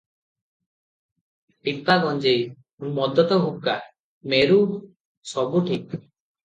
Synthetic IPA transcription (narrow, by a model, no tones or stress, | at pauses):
pit̪aɡɔnd͡ʒej | mɔd̪ɔt̪ɔɦup̚ka | meɾu | sɔbuʈʰik̚